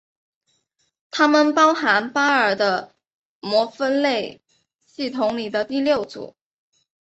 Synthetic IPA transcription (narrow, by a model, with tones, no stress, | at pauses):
t̪ʰa˥mə˨npɑ˥ʊxa˧˥npa˥ə˞˨˩d̪ə˦ | mwɔ˧˥fə˥nle˥˩ɪ | ɕi˥˩t̪ʰʊ˧˥ŋli˨˩d̪ə˦t̪i˥˧ljo˥˩ʊt͡sṵ˨˩˦